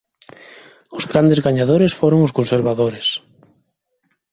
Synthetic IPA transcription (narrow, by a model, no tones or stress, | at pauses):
ʊzɣɾand̪eɪzɣaɲaðoɾɪsfoɾoŋʊskonseɾβaðoɾɪs